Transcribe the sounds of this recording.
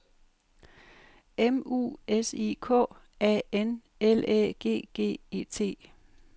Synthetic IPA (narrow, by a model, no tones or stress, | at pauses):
emṵːesikʰɔ̰̽ː | ɛ̰en | elḛɡ̥e̝̰ːɡ̥e̝̰ːeːt͡sʰe̝̰ː